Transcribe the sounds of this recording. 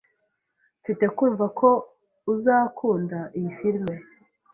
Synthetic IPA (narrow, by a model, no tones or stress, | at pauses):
fite̞kuːɱvakʰo̞ | uzaːkʰuːndaʔijifiɾme̞